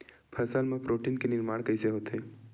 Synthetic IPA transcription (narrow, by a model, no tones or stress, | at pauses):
pʰəɾsalmãpɾoʈinkenɪɾmaːɳ̃kəiseɦot̪ʰe